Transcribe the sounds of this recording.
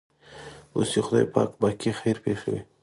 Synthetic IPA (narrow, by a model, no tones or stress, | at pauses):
o̰sixʊd̪ɑjpɑ̰kbakixajɾpeʃawḭ